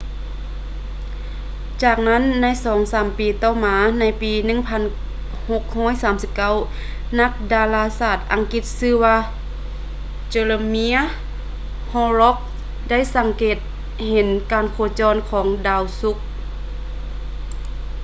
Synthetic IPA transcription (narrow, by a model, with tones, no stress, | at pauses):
t͡ɕaː˧˩k̚na˥˨nːa˧˥˨jsɔː˨˦ŋsaː˨˦mpiː˨˩t̪ɔː˧˩maː˨˧na˧˥jpiː˨nɯ˧˨ŋpʰa˧˥˨n | ho˧k̚hɔː˧˥˨jsaː˨˦msi˧˦p̚ka˧˥˨w | na˧˥k̚daː˧laː˧saː˧˩t̪̚ʔa˨˦ŋki˧˥t̪̚sɯː˧waː˧ | t͡ɕe˧lɤ˧mi˧˥ɐ˨ | hɔː˧lɔ˦˥k̚ | da˥˨jsa˨˦ŋkeː˨˩t̪̚ | he˨˧˦nkaː˨nkʰoː˧˩t͡ɕɔː˧˥nkʰɔː˩˦ŋdaː˧˩wsu˧˦˥k̚